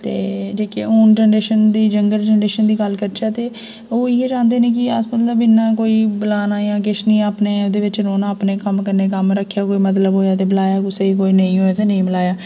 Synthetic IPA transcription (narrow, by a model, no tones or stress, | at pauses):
t̪ḛːd͡ʒeːkeoːnʈɛɳɖeːʃənd̪iːd͡ʒəŋɡəlʈɛɳɖeːʃənd̪iːɡəlkəɾt͡ʃaːt̪eː | oːɪeːd͡ʒãːnd̪eːnẽːk̬ɪəsmət̪ləbɪnːãːkoːiːbəlaːnaːjãːk̬ɪʃnĩːaːpneːd̪eːʋɪt͡ʃɾoːnaːpneːkəmkəɾneːkəmɾəkʰːjaːkoːiːmət̪̬ləbɦoːjaːt̪eːbɪlaːjaːkʊseːikoːiːnəĩːɦoːaːt̪eːnəĩːbəlaːjaː